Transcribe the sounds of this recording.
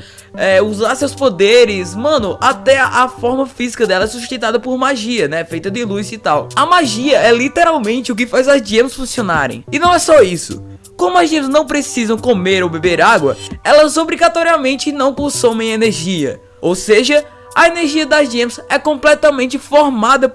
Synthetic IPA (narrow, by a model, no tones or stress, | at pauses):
ɛuzaɾsewspod̪eɾɪzmɐ̃nʊʔat̪ɛʔafɔɾmɐfizikɐd̪ɛlɐɛsust̪ẽt̪ad̪ɐpoɾmaʒiɐnɛfejt̪ɐd̪ɪluzɪt̪awɐmaʒiɐɛlit̪eɾawmẽnt͡ʃɪʊk̬ɪfajzɐzd͡ʒiẽmɐsfũsionaɾḛ̃j̃ɪnɐ̃w̃ɛsɔisʊ̰ | kõmʊɐzd͡ʒiẽmznɐ̃w̃pɾesizɐ̃w̃komeɾowbebeɾaɡwɐ̰ɛlɐzobɾiɡat̪ɔɾiɐmẽnt͡ʃɪnɐ̃w̃kõsõmẽj̃ɐeneɾʒiɐ̰ | owseʒɐ | ɐeneɾʒiɐd̪ɐzd͡ʒiẽmsɛkõmplɛt̪ɐmẽnt͡ʃɪfoɾmad̪ɐ